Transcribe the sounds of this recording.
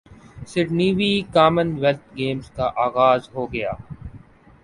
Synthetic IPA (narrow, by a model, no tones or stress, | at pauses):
sɪɖniːʋiːkaːmənʋɛlt̪ɡeːmzkaʔaːɣaːzɦoːɡɐjaː